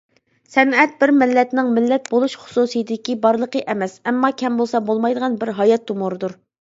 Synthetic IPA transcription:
sɛnɛt̪̚bɪɾmɪlːɛt̪nɪŋmɪlːɛt̪̚bolˠuʃχʊ̥susɨjd̪d̪ɪkʲibɑɾlˠəqʰəʔɛmɛsɛmːɑkʲʰɛmbolˠsɑbolˠmɑjd̪əʁɑnbɪɾɦɑjɑt̪ːumoɾɨd̪uɾ

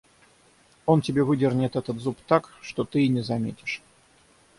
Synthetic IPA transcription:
o̞ntʲɪbʲe̞vɨdʲɪrnʲɪt̪ɛt̪ət̪zupt̪akʂt̪ot̪ɨɪnʲɪzɐmʲḛtʲɪ̥ʂ

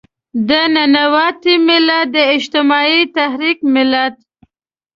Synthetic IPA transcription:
d̪ənanawɑt̪imɪlat̪̚d̪əɪd͡ʒt̪ɪmɑit̪ahɾikmɪlad̪

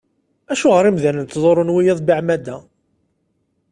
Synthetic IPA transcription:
æʃuʁəɾimðænənt̪ːðˤoɾˤonwijæðˤbiʕmæd̪æ

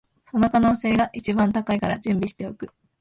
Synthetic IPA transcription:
so̞no̞kano̞ːse̞ːɡaʔit͡ɕibãnt̪akaikaɾad͡ʑɨ̃mbʲiɕi̥t̪e̞okɯ̟

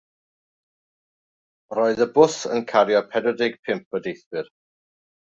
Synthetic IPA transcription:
rɔɨðəbʊsə̰nkʰaɾjɔpʰɛdɔdɪɡ̥̚pʰɪmp̚ʰədejθwɪr

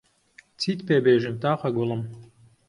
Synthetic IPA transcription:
t͡sit̪pebeʒɘ̆mt̪ɑχɑɡulˠɤm

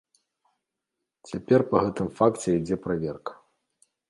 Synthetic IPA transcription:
t͡sʲapʲɛrpɐɣɛt̪ɨmfakt͡sʲɛid͡zʲɛpɾavʲɛrkɐ̥

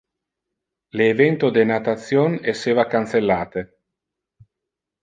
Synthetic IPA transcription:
leːvɛnt̪od̪enat̪at̪sjonesːeːvakant̪selːaːt̪e

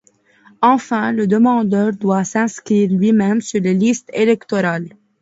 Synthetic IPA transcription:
ɑ̃fɛ̃ləd̪əmɑ̃d̪œːʁd̪wasɛ̃skχiːʁlɥimɛmsyʁlelist̪elɛkt̪ɔɾal

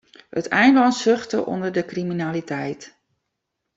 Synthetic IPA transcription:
hətɛjndlɑnsøχtə̰ʔɔ̰ndəɹdəkriminalitʰɛjt

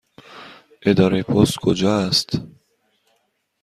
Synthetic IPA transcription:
ed̪aɾepʰɔst̪kʰod͡ʒaːst̪

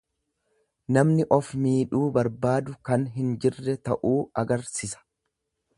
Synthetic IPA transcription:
nɐmnɪʔɔfmiːᶑuːbɐɾbaːd̪ʊkɐnɦɪnd͡ʒɪrːɛt̪ɐʔuːɐɡɐɾsɪsɐ̥

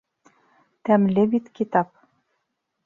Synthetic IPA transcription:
t̪æmlʲeβit̪kit̪ɑp̚

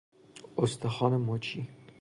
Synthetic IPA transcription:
ost̪exɒːnemɔt͡ʃʰi

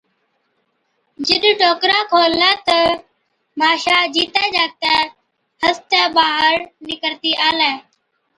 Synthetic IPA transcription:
d͡ʒɪɗɖoːkɾãːkʰoːlaːt̪ə | mʱaːʃaːd͡ʒiːt̪aːd͡ʒaːk̚t̪ẽː | həst̪ãːbaːɦəɾnɪkəɾt̪iːʔaːlɛː

